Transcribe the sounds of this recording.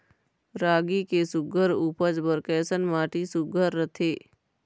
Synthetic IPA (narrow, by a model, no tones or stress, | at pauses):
ɾaːɡikesʊɡʱəɾuːpəd͡ʒbəɾkɛːsənmaːʈisʊɡʱəɾːət̪ʰeː